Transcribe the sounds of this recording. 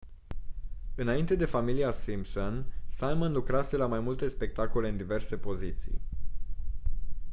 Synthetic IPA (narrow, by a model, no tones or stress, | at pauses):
ɨnaint̪e̞d̪e̞familiasimpsonsalmənlukɾase̞lamajmult̪e̞spe̞k̚t̪ako̞le̞ɨnd̪ive̞rse̞po̞zit̪sḭj